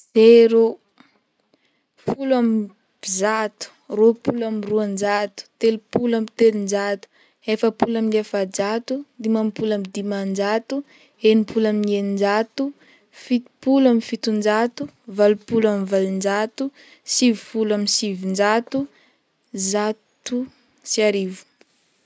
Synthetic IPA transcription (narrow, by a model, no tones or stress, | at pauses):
zeɾu | fulam | b̥izat̪u̥ropulamruand͡ʒat̪u̥t̪elupulamit̪elind͡ʒat̪u̥ | efəpulaminefad͡ʒat̪ud̪imampulamid̪imand͡ʒat̪u | enipʰulaminienind͡ʒat̪u | fit̪puluamifit̪und͡ʒat̪uvalupulamivalind͡ʒat̪u | sivifulaminsivind͡ʒat̪u | zat̪u | siaɾivu̥